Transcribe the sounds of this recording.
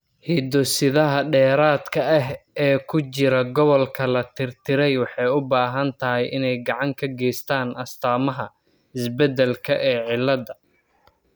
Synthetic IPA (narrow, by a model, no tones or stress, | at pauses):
hiːd̪ɔsɪðɐɦɐɖɛːɾaːd̪kʰɐɐɦɛːkʰʊt͡ʃɪɾɐɡɔβɔlkʰɐlɐt̪ʰɪrt̪ʰɪɾɛjwɑħɑjʊbaːɦɐnt̪ʰɐɦɛjʔɪnɛjɡɑʕɑŋkʰɐɡɛːst̪ʰaːnʔɐst̪ʰaːmɐɦɐ | ɪsbɛd̪ɛlkʰɐʔɛːʕɪlːɐd̪ɐ